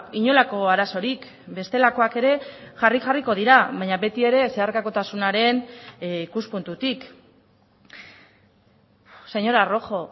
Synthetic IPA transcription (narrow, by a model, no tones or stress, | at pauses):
iɲo̞lako̞aɾaso̞ɾik | be̞st̪e̞lako̞ake̞ɾe̞ʝarixariko̞ð̞iɾaβajɲaβe̞t̪ie̞ɾe̞se̞aɾkako̞t̪asunaɾe̞nikuspunt̪ut̪ik | se̞ɲo̞ɾaro̞xo̞